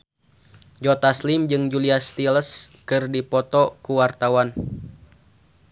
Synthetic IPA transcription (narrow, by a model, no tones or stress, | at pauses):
d͡ʒɔt̪aslimd͡ʒɨŋd͡ʒuliast̪iləskɨrdipɔt̪ɔkuwart̪awan